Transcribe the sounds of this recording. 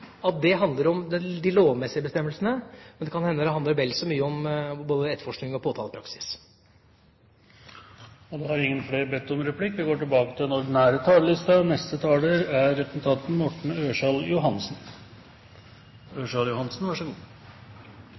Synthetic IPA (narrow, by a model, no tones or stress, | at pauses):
ɑt̪̚d̪ɛɦɑnd̪ləɾɔmd̪ɛd̪ɪloːʋmɛsːɪəbəst̪ɛmːəlsənəmɛnd̪ɛkʰɑnhɛnd̪əd̪ɛhɑnd̪əɾʋɛlsɔmyːəɔmboːd̪əɛt̪fɔʂknɪŋɔpʰoːt̪ʰɑːləpɾɑksɪ̥s | ɔd̪ɛhɑɾɪŋːənfleːɾbɛt̪ːɔmɾɛpʰlɪkːʋɪɡoːʈɪlbɑːkət̪ʰɪlɛnɔɾɖɪnæːɾət̪ʰɑːləlɪst̪ɑnɛst̪ət̪ʰɑːləɾæɾːɛpəs̩t̪ʰɑːt̪n̩mɔʈɳ̩øːʂɑljʊɦɑnsn | øːʂɑljʊhɑnsnʋɑʂəɡuː